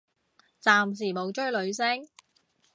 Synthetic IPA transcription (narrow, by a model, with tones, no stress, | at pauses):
t͡saː˨ms̬iː˨˩mo˨˧wt͡ʃɵ˥ɥlɵ˨˧ɥsɪ˥ŋ